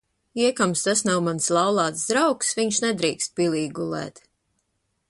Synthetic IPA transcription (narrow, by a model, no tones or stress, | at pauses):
iɛkamst̪asnawmanslˠɑwlˠaːt̪sd̪ɾawksviɲʃnɛd̪ɾiːkst̪̚pʲilˠiːɡulˠɛ̰ːt̪